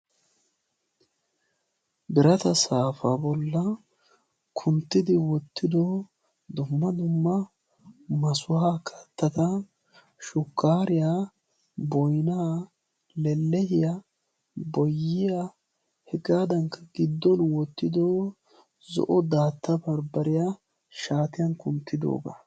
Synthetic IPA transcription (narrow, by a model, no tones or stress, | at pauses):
bɪɾɐt̪ɐsaːfabɔlːɐ | kʰʊnt̪ːɪd̪ɪwɔt̪ːɪd̪ɔ | d̪ʊmːɐd̪ʊmːɐ | mɐsʊhaːkʰɐ̥t̪ːɐt̪ɐ | ʃʊkʰːaːɾɪja | bɔjnaː | lɛlːɛhɪja | bɔjːɪja | hɛɡaːd̪ɐŋkːɐɡɪd̪ːɔnwɔt̪ːɪd̪oː | zɔ̰ʔɔd̪aːt̪ːɐbɐɾbɐɾɪja | ʃaːt̪ɪjɐnkʊnt̪ːɪd̪o̰ːɡa̰